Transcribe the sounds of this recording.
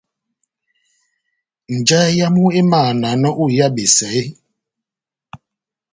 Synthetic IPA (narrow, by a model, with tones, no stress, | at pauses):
n̩˨d͡ʒa˦ja˦mu˦e˦maː˨na˨˦nɔ˦ʔu˦ja˦be˨sɛ˨e˦